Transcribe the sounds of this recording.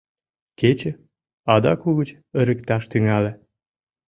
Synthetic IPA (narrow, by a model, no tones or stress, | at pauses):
ket͡ɕə̆ | ɑd̪ɑkuɣət͡ɕ | ə̆ɾə̆kt̪ɑʃt̪yŋælĕ